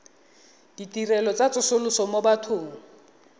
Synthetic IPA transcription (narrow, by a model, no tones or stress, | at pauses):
d̥itirɛlɔt͡sʼat͡sʼʊsʊlʊsɔmobatʰʊːŋ̩